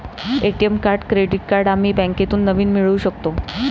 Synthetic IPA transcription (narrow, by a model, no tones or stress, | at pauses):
eʈiemkaɾɖkɾeɽiʈ̚kaɾɖam̤iːbɛ̃ŋket̪uːnːəʋiːnmiɭuːɕəkt̪o